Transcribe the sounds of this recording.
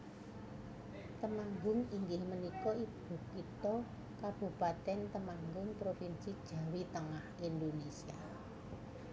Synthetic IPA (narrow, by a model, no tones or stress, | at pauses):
t̪əmaŋɡʊŋiŋɡɪhmənikɔib̥ṳkit̪ɔ | kab̥ṳpat̪ɛnt̪əmaŋɡʊŋpɾofinsid̥ʒ̥ä̤wit̪əŋahind̪onesia